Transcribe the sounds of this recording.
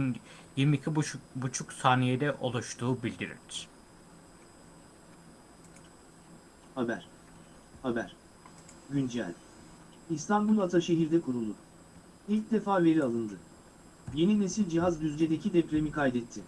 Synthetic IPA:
n | jiɾmiicʰibut͡ʃʰuksaːnijed̪ɛʔo̞̰lˠuʃt̪ʰuːbilʲd̪iɾḭɾɾ | habæɾ̥ | habæɾ̥ | ɟynd͡ʒæ̰lʲ | ist̪ʰanbulˠat̪ʰaʃe̞ɦiɾd̪ɛkʰuɾulˠd̪ʊ | ilʲc̚d̪e̞faːve̞ɾialˠɯnd̪ɯ | je̞nine̞silʲd͡ʒiɦazd̪yzd͡ʒed̪e̞cʰid̪ɛpɾe̞mikʰajd̪ɛt̪ʰːɪ

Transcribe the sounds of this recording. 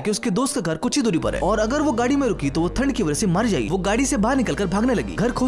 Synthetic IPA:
keʊsked̪oːst̪̚kaɡʱɐɾkʊtːt͡ʃʰid̪ʊːɾipɐ̰ɾɦɛ̰ːɔːɾɐɡəɾʋoɡaːɽimẽɾʊkit̪oʋot̪ʰɐ̃ɳɖkiʋɐd͡ʒəsemɐɾd͡ʒaːḭʋoɡaːɽisebaːɾnɪkəlkəɾbʱaːɡnelɐɡḭːɡʱɐɾkʰoː

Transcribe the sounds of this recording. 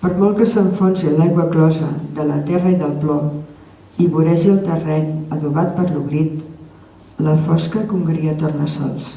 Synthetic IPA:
pəɾmɔlˠkəsəɱfonsilajɣwəklɔzəðələt̪ɛrəiðəlˠplɔ | iβuɾɛʒiəlˠt̪ərɛɲəðuβat̪̚pəɾluβɾit̪ | ləfɔskəkuŋɡɾiət̪ornəsɔ̰lˠs

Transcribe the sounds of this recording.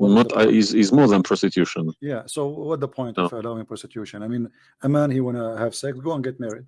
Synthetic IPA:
nɔtaʔizizmɔɹðə̃npʰɹɔsɪkʰjʉʃə̃njæsoʊwʌt̚ðəpʰɔ̃ɪ̃ntfə˞əlaɪ̃ŋpʰɹ̥ɔsɪkʰjʉʃɨ̃najmĩn | əmæ̃nhiwɑ̃nəhːv̥sɛksɡoʊə̃nɡɛt̚mɛɹid̥̚

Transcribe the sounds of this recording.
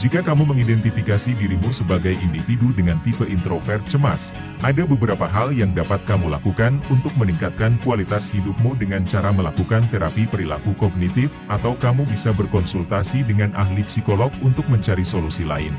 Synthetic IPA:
d͡ʒikakamuməŋidɛnt̪ifikasidiɾimusəbaɡajʔindifidudəŋant̪ifəʔint̪ɾofɛrt͡ʃəma̰s | ʔadabəbəɾapaɦaljaŋdapat̪̚kamula̰kukanunt̪ʊk̚məniŋkat̪̚kankualit̪ashidup̚mudəŋant͡ʃaɾaməlakukant̪eɾapipəɾilakukɔɡ̚nit̪ɪfʔat̪awkamubisabərkɔnsult̪asidəŋanʔa̰hlipsikolɔɡ̚unt̪ʊk̚məɲt͡ʃaɾisolusila̰ɪ̰n

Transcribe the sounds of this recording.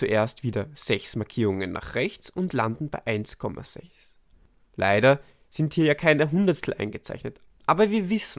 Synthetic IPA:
t͡suʔeːɐstv̥iːdɐz̥ɛçsmaɐkʰiːʁʊŋənːa̰ːχʁɛçt͡sʊntlandn̩baɪʔaɪnskʰɔmʔa̰z̥ɛ̰çs | lʔa̰ɪɾɐ | z̥ɪnthiːɐjaːkʰaɪnɛɦʊndɐtstʰl̩ʔa̰ɪnɡət͡sa̰ɪçnət | ʔaːbɐviːɐvɪsn̩

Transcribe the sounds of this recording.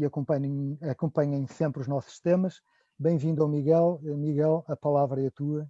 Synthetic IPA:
ɐkõmpɐɲɐ̃j̃ɐkõmpɐɲɐ̃j̃sẽmpɾuʒnɔsu̥ʃt̪emɐʃ | bẽj̃vĩnd̪awmiɣɛlˠmiɣɛlˠɐpɐlˠavɾɐɐt̪uɐ

